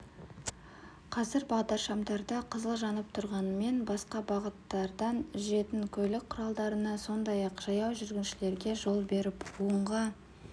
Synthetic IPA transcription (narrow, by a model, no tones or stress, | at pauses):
qʰɑzɪɾbɑʁd̪ɑʃɑmd̪ɑɾd̪ɑqʰəzəlˠʒɑnəp̚t̪ʰʊɾʁɑnəme̞nbɑsqɑbɑʁət̪ːɑɾd̪ɑnʒʏʒe̞t̪ɪŋkʲʰɵlɪk̚qʰːʊɾɑlˠd̪ɑɾənɑso̞nd̪ɑjɑqʒ̥ɑjɑwʒʏɾɡʲɪnʃɪle̞ɾɡʲe̞ʒo̞lˠbe̞ɾɪpuəɴʁɑ